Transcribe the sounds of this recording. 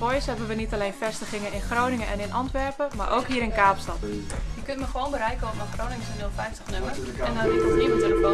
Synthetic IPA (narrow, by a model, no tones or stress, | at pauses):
ojəshɛbənʋənitaleːnfɛstəxɪŋəɪnxroːnɪŋənʔɛnɪnʔɑntʋɛrpəma̰ɹʔoːkɦiəɾɪnkaːpstɑtəjəkøntməxəʋoːnbəɾɛjkəɔfəxroːnɪŋsənilˠfɛjstəxnømərɛndɔnitənimətənəo